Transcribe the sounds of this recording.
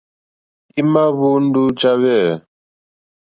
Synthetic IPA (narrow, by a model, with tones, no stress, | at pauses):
i˦ma˦βu˦n̩˦du˦t͡ʃa˦βɛ˦˨